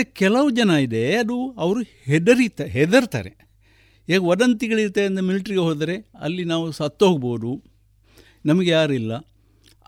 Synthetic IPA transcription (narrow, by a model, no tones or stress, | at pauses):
ekɛlɐʋɐd͡ʒɐnɐid̪e̞ɐd̪uɐʋɐɾuhɛd̪ɐɾit̪aɦɛd̪ɐɾt̪a̰ːɾe | ɦeːɡɐɔdɐnt̪iɡɐɭiɾt̪ːeɐnd̪ɐmiliʈɾiɡeɦoːd̪ɾe̞ɐ̰lːinaːʋusɐt̪ːoːɡɐbo̞ːd̪u | nɐmɐɡejaːɾilːɐ